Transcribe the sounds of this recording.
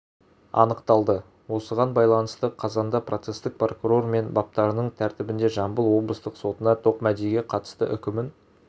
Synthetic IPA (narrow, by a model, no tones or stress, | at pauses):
ɑ̰nəqt̪ɑlˠd̪ə | wo̞səʁɑnbɑjlˠɑnəst̪əqʰɑzɑnd̪ɑprʔo̞t̪se̞st̪ɪk̚pro̞kuɾo̞rme̞nbɑp̚t̪ɑɾənəɴt̪ʰæɾt̪ɪbɪnd̪e̞ʒɑmbəlˠwo̞blˠəst̪əqso̞t̪ənɑt̪ʰo̞qmæd̪ejɡʲe̞qʰɑt̪ə̥st̪ə̰ʔʏ̰kʲɪmɪn